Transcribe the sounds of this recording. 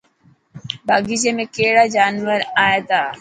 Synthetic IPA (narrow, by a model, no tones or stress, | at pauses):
bʱaːɡid͡ʒemẽkeːɽad͡ʒaːnʋəɾaːet̪aː